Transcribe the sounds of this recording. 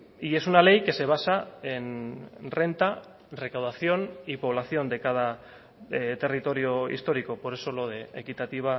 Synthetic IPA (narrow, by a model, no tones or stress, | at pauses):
ie̞sunale̞jke̞se̞β̞asae̞nre̞nt̪a | re̞kawðaθjo̞nipo̞β̞laθio̞nd̪e̞kaða | t̪e̞rit̪o̞ɾio̞ḭst̪o̞ɾiko̞po̞ɾe̞so̞lo̞ðeekit̪at̪iβ̞a